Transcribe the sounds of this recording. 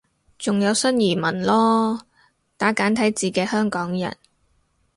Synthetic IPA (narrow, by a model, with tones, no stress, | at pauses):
t͡sʊ˨ŋjɐ˨˧wsɐ˥njiː˨˩mɐ˨˩nlɔː˥ | t̪aː˨˥kaː˨˥nt̪ʰɐ˨˥jt͡siː˨kɛː˧hœː˥ŋkɔː˨˥ŋjɐ̰˨˩n